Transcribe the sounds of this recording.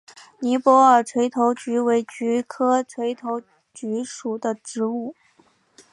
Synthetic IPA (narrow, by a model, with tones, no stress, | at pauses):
ni˧˥pwɔ˧˥ə˞˨˩ʈ͡ʂʰwe˧˥ɪt̪ʰo˧˥ʊt͡ɕy˧˥we˧˥ɪt͡ɕy˧˥kʰɤ˥ʈ͡ʂʰwe˧˥ɪt̪ʰo˧˥ʊ | t͡ɕy˧˥ʂu˨˩d̪ə˦ʈ͡ʂɻ̩˧˥u˥˩